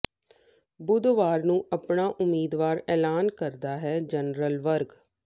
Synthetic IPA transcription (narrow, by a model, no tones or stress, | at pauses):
bʊd̪ʋaːɾnũːʔəpɳaːʔʊmiːd̪ʋaːɾɛːlaːnkəɾd̪aːɦɛːd͡ʒənɾəlʋəɾɡ